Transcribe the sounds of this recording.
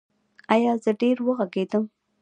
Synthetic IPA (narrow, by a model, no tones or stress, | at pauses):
ajɑzəɖeɾwəɣaɡed̪əm